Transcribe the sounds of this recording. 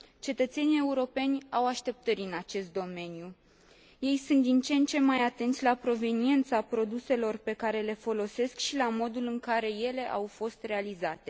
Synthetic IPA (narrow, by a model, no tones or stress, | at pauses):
t͡ʃe̞t̪ət̪se̞nije̞uɾo̞pe̞nʲawaʃt̪e̞p̚t̪əɾʲɨnat͡ʃe̞st̪̚d̪o̞me̞niju | je̞jsunt̪̚d̪int͡ʃe̞nt͡ʃe̞majat̪e̞nt̪sʲlapɾo̞ve̞nie̞nt̪sapɾo̞d̪use̞lo̞rpe̞kaɾe̞le̞fo̞lo̞se̞skʃilamo̞d̪ulɨŋkaɾe̞je̞le̞ʔawfo̞st̪re̞alizat̪e̞